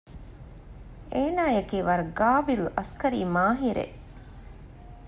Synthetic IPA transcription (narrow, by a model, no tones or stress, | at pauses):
eːnaːjekiːʋɐɾɡaːbilɐskɐɾiːmaːɦiɾʔḛ